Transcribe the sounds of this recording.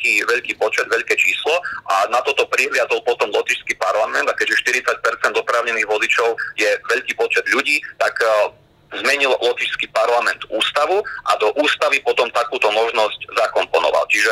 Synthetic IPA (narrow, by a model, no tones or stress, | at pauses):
kiːʋɛʎkiːpɔt͡ʃɛd̪ʋɛʎkɛːt͡ʃiːslɔʔanat̪ɔt̪ɔpɾiɦlɪad͡zɔlpɔt̪ɔmlɔt̪iʃskipaɾlamɛnd̪akɛʒɛʃt̪iɾit͡sac̚pɛɾt͡sɛnd̪ɔpɾaːʊɲɛniːɣʋɔzit͡ʃɔʊjɛʋɛʎkiːpɔt͡ʃɛd̪ʎuɟiːt̪aɡ | zmɛɲillɔt̪iʃskipaɾlamɛnd̪̥uːst̪aʋuʔa̰d̪ɔʔuːst̪aʋipɔt̪ɔmt̪akuːt̪ɔmɔʒnɔzczakɔmpɔnɔ̰ʋa̰lt͡ʃiʒɛ